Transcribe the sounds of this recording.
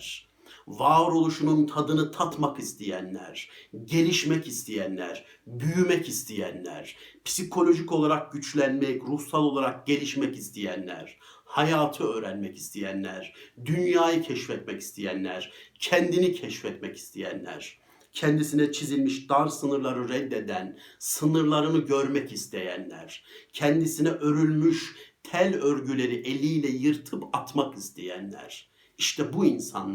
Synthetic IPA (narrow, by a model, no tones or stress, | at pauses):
ɾ̥ | vaɾo̞lˠuʃununt̪ʰad̪ɯnɯt̪ʰat̪makist̪ʰijæ̰nlʲæ̰ɾ̥ɟe̞lʲiʃmɛcist̪ʰijænlʲæ̰ɾ̥ | byjymɛcist̪ʰijæ̰nlʲæ̰ɾ̥pʰsikʰo̞lʲo̞ʒico̞lˠaɾak̚ɟyt͡ʃlʲænmɛcɾusalˠo̞lˠaɾak̚ɟe̞lʲiʃmɛcist̪ʰijænlʲæ̰ɾ̥ | hajaːt̪ʰɯø̞ːɾænmɛci̥st̪ʰijænlʲæ̰ɾ̥d̪ynjaːjɯcʰɛʃfɛt̪mɛci̥st̪ʰijænlʲæ̰ɾ̥cʰɛnd̪inicʰɛʃfɛt̪mɛci̥st̪ʰejæ̰nlʲæ̰ɾ̥ | cʰɛnd̪isinɛt͡ʃʰizilʲmiʃd̪aɾsɯnɯɾlˠaɾɯɾɛd̪ːe̞d̪ænsɯnɯɾlˠaɾɯnɯɟø̞ɾmɛcist̪ʰe̞jæ̰nlʲæ̰ɾ̥cʰɛnd̪isinɛʔøɾylʲmyʃt̪ʰælʲøɾɟylʲe̞ɾiʔelʲijlʲɛjɯɾt̪ʰɯpʰat̪makist̪ʰejænlʲæ̰ɾ̥ | iʃt̪ʰɛbuinsa̰n